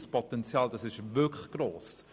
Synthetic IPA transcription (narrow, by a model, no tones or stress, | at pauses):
spʰɔtɛnt͡sjɑːld̥ɑsɪʃvɪkʰləxɡ̥ɾoːs